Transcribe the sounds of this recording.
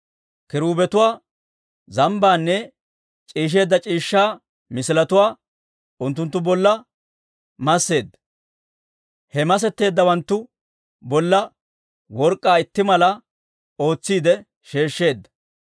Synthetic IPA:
kɪɾuːbɛt̪ʊwaː | zɐmbaːnːɛ | t͡ʃʼiːʃ̬e̞ːd̪ːɐt͡ʃʼiːʃːaː | mɪsɪlɐt̪ʊwaː | ʊnt̪ːʊnt̪ːʊbɔlːɐ | mɐsːe̞ːd̪ːɐ̥ | hɛmɐs̬ɛt̪ːe̞ːd̪ːɐwɐnt̪ːʊ | bɔlːɐ | wɔɾkʼːaːɪt̪ːɪmɐlɐ | o̞ːt͡sːiːd̪ɛ | ʃe̞ːʃːe̞ːd̪ːɐ̥

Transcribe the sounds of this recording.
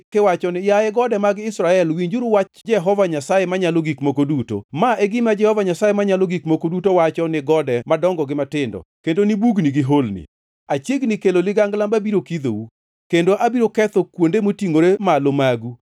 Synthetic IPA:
kɪwat͡ʃɔnɪjajɛɡɔdɛmaɡɪɪsɾaɛlwiɲd͡ʒʊɾwat͡ʃd͡ʒɛɦɔvaɲasajemaɲaloɡikmokoduto̰maʔɛɡɪmad͡ʒɛhɔvaɲasajemaɲaloɡikmokodutowat͡ʃɔnɪɡɔdɛmadɔŋɡɔɡɪmatɪndɔ̰kendonibuɡniɡɪɦolnɪ̰ | at͡ʃjeɡnɪkelolɪɡaŋɡlambabiɾokid̪o̰wu | kendoʔabiɾokɛt̪ɔkwondemotiŋoɾemalomaɡu

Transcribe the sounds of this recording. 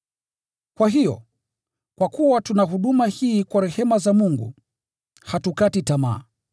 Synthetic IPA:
kwaɦijɔ̰ | kwakuwatunaɦuɗumahiːkwaɾɛhɛmazamuŋɡṵ | hatukatitama̰ː

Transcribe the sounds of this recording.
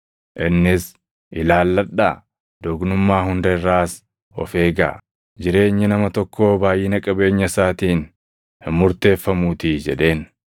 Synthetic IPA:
ʔɪnːɪs | ʔɪlaːlːɐᶑːaː | d̪oːɡnʊmːaːɦʊnd̪ɐɪrːaːs | ɔ̰fe̞ːɡa̰ː | d͡ʒɪɾe̞ːɲːɪnɐmɐt̪ɔkʰːo̞ːbaːjɪnɐkʼɐbe̞ːɲːɐsaːt̪iːn | hɪmːʊɾt̪e̞ːfːɐmuːt̪id͡ʒɛᶑe̞ːn

